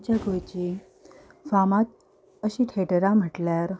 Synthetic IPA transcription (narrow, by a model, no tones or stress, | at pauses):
t͡ɕjaɡojt͡ɕi | famat̪̚ | əɕiːʈʰeʈɾam̤əʈljaɾ